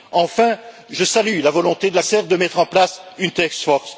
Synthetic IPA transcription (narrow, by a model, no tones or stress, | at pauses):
ɑ̃fɛ̃ | ʒəsalylavɔlɔ̃t̪ed̪əlasɛʁd̪əmɛt̪χɑ̃plasynt̪ɛksfɔʁs